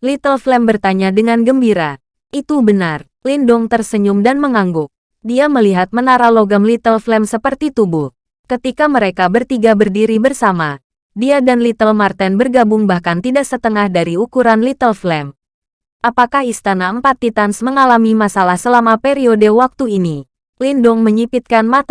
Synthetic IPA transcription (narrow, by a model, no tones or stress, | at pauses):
lit̪əlflɛmbərt̪aɲadəŋanɡəmbiɾa | ʔit̪ubənar | lindʊŋt̪ərsəɲumdanməŋaŋɡʊk̚ | diaməliɦat̪̚mənaɾaloɡamlit̪əlflɛmsəpərt̪it̪ubuh | kət̪ikaməɾekabərt̪iɡabərdiɾibərsama | diadanlit̪əlmart̪ɛnbərɡabʊŋbahkant̪idaksət̪əŋahdaɾiukuɾanlit̪əlflɛm | ʔapakahist̪anaəmpat̪ːit̪ansməŋalamimasalahsəlamapeɾiodewak̚t̪uini | lindɔŋməɲipit̪̚kanmat̪a